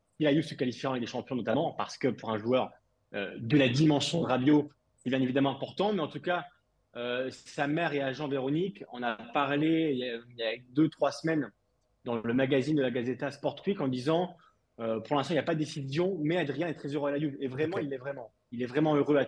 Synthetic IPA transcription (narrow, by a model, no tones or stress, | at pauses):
silajubsəkalifjiɑ̃ɛk̚d̪eʃɑ̃pjɔ̃nɔt̪amɑ̃pa̰ʁsə̥kəpuʁɛ̃ʒuœʁ | ø̰d̪əlad̪imɑ̃sjɔ̃d̪əʁabjo | sevjɛ̃nevid̪amɑ̃ɛ̃pɔʁt̪ɑ̃mɛɑ̃t̪uka | øsamɛʁeaʒɑ̃veʁɔnikɔ̃napaʁleiljad̪øt̪χwasmɛn | d̪ɑ̃ləmaɡazind̪əlaɡazet̪aspɔʁt̪χwikɑ̃d̪izɑ̃ | øpuʁlɛ̃st̪ɑ̃iljapad̪d̪esizjɔ̃mɛad̪ʁijɛ̃ɛt̪χɛzøʁøalajubevʁɛmɑ̃ilːɛvʁɛmɑ̃ | ilɛvʁɛmɑ̃øʁøa